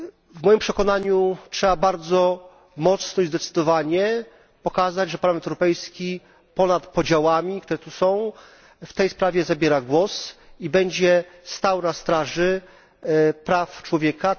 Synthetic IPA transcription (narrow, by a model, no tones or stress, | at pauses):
vmɔjimpʂɛkɔnaɲutʂɛbabaɾd̪zɔ | mɔt̪snɔizd̪ɛt̪sɘ̥d̪ɔvaɲɛ | pɔkazad͡ʑʐɛpaɾlamɛnɛwɾɔpɛjskʲi | pɔnat̪pɔd͡ʑawamʲikt̪uɾɛt̪usɔ̃w̃ | ft̪ɛjspɾavʲjɛzabʲjɛɾaɡwɔsibɛɲd͡ʑɛst̪awnast̪ɾaʐɘ | pɾaft͡ʂwɔvʲjɛka